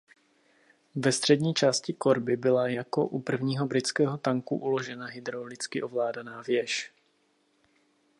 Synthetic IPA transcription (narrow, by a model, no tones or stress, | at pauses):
vɛst̪r̝̥ɛdɲiːt͡ʃaːscɪko̞ɾbɪbɪlajako̞ʔupr̩vɲiːɦo̞bɾɪt͡skɛːɦot̪aŋkṵʔulo̞ʒɛnaɦɪd̪ɾowlɪt͡skɪʔo̞vlaːdanaːvjɛʃ